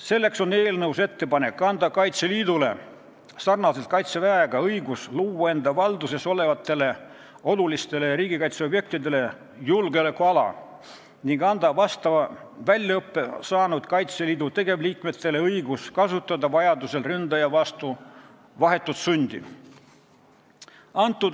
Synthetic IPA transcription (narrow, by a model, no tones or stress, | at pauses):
se̞lːe̞kso̞nːe̞ːlnɤwse̞t̪ːe̞pɑne̞kːɑnd̪ɑkɑjt̪seliːd̪ule̞̰ | sɑrnɑse̞lt̪̚kɑjt̪sevæeɡ̥ɑɤjɡ̥usluːwɑe̞nd̪ɑvɑld̪use̞so̞le̞vɑt̪ːˑe̞le̞ | o̞lulist̪e̞le̞jɑɾiːɡikɑjt̪seo̞bje̞k̚t̪id̪e̞le̞ | julɡelekːuɑlɑ̰ | niŋɡ̥ɑnd̪ɑvɑst̪ɑvɑ | vælʲjɑɤpːe̞sɑːnud̪̥kɑjt̪se̞liːd̪ut̪e̞ɡ̥e̞vliːkme̞t̪ːˑe̞le̞ɤjɡuskɑsut̪ːˑɑd̪ɑvɑjɑd̪use̞lrynd̪ɑjɑvɑst̪u | vɑɦe̞t̪ːˑut̪sunʲd̪̥ḭ | ɑnt̪ːˑud̪